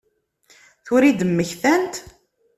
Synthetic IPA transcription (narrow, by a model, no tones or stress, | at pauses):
θʊɾid̪əmːəçθænt̪